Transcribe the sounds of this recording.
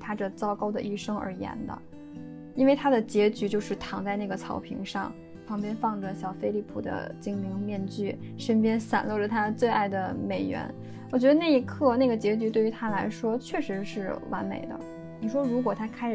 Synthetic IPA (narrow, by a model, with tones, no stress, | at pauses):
t̪ʰa˥ʈ͡ʂə˨t͡sɑ˥ʊkɑ˥ʊd̪ə̰˨ʔi˥˩ʂɤ˥ŋə̰˧˥jɛ̰˧˥nd̪ə̰˧ | i˥nwe˥˩ɪt̪ʰa˥d̪ə˨t͡ɕjɛ˧˥t͡ɕy˧˥t͡ɕjo˥˧ʊʂɻ̩˥˩t̪ʰɑ˧˥ŋt͡sa˥˧ɪna˥˩ɡə˩t͡sʰɑ˧˥ʊpʰḭ˧˥ŋʂɑ̰˥˩ŋ | pʰɑ˧˥ŋpjɛ˥nfɑ˥˩ŋʈ͡ʂə˩ɕjɑ˨˩ʊfe˥ɪli˥˩pʰu˨˩d̪ə̰˦t͡ɕi˥ŋmi˧˥ŋmjɛ˥˧nt͡ɕy˥˩ | ʂə˥npjɛ˥nsa̰˨˩nlwɔ˥˩ʈ͡ʂə˨˩t̪ʰa˥˧t͡swe˥˧ɪʔa˥˩ɪd̪ə˩me˨˩ɪɥɛ̰˧˥n | wɔ˨˩t͡ɕɥɛ˧˥d̪ə˧na˥˩i˧˥kʰɤ˥˧na˥˩ɡə˩t͡ɕjɛ˧˥t͡ɕy˧˥t̪we˥˩ɪy˧˥t̪ʰa˥la˧˥ɪʂwɔ˥t͡ɕʰɥɛ˥˩ʂɻ̩˧˥ʂɻ̩˥˩wa̰˧˥nmḛ˨˩ɪd̪ə̰˦ | ni˨˩ʂwɔ˥ɻu˧˥k̬wɔ˨˩t̪ʰa˥kʰa˥ɪʂ